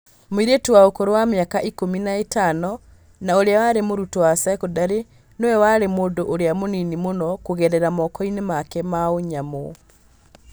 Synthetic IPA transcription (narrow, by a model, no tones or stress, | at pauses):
moiɾetuwaokoɾowamjakaʔikominaetanɔ | naoɾeawaɾemoɾutowasaɛkodaɾe | nowɛwaɾemoːdoʔoɾeamoninimonɔkoɣɛɾɛɾamɔkɔinemakɛmaoɲamo